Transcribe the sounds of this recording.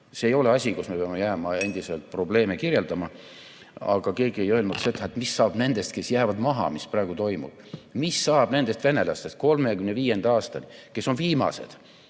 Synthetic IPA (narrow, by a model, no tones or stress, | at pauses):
seːjo̞le̞ɑsʲikusme̞peɑme̞jæːmɑe̞nd̪̥ise̞lt̪̚ˑpro̞ble̞ːmekirje̞ld̪ɑmɑ | ɑ̰ɡ̥ɑke̞ːɡie̞jø̞lnud̪̥se̞d̪̥ɑet̪ˑmisːɑːb̥ne̞nd̪̥e̞st̪̚ke̞sjæːvɑd̪mɑɦɑ̰misprɑːɡ̥ut̪o̞jmṵb̥misːɑːb̥ne̞nd̪̥e̞st̪ve̞ne̞lɑ̰st̪est̪̚ko̞lmekymneviːje̞nd̪̥ɑːst̪ɑnike̞so̞nviːmɑ̰se̞̰d̪̥